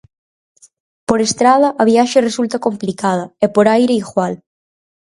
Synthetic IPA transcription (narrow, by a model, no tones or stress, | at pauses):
poɾest̪ɾað̞ɐʔɐβiaʃeresult̪ɐkomplikaðɐɛpoɾajɾeiɣwal